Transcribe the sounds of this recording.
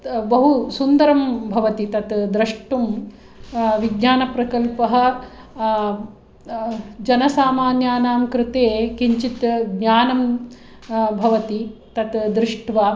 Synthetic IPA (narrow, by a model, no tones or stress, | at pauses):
bɐɦusund̪ɐɾɐmbʱɐʋɐt̪it̪ɐt̪d̪ɾɪʂʈum | ʋiɡ̚ɲaːnɐpɾɐkɐlpɐɦɐ̆ | d͡ʒɐnɐsaːmaːnjaːnaːmkɾɪt̪eːkiɲt͡ʃit̪ɡɲaːnɐm | bʱɐʋɐt̪it̪ɐt̪d̪ɾɪʂʈʋaː